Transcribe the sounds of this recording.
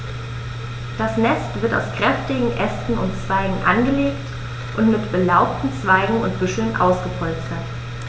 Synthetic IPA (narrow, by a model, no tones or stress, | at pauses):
d̥asnɛstv̥ɪɐta̰ʊskʁ̥ɛftɪɡŋ̩ʔɛstn̩ʊntt͡sv̥aɪɡŋ̩ʔanɡəleːkt | ʔʊntmɪtb̥əlaʊptn̩t͡sv̥aɪɡŋ̩ʊntb̥ʏʃl̩nʔa̰ʊsɡ̥əpʰɔlt͡stɐt